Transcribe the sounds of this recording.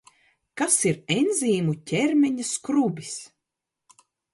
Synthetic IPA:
kasiɾenziːmucʲɛɾmʲɛɲaskɾubʲis

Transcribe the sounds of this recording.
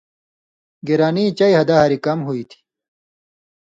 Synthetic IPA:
ɡiɾaːnit͡ɕɐihɐd̪aɦaɾikɐmɦuit̪ʰi̥

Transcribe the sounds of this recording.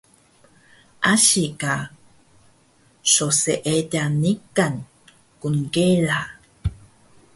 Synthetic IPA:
ʔaɕika | ʃoseʔeɟanikan | kunkela

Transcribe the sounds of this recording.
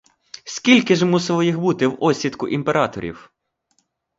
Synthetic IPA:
sʲkʲilʲkɪʒmusɪlˠɔjixbut̪ɪwɔsʲit̪kʊʔimpeɾɑt̪ɔɾʲḭw

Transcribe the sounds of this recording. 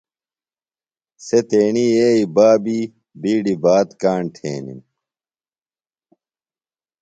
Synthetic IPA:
set̪eːnieːibaːbi | biːɖibaːt̪kaːɳʈʰḛːnḭm

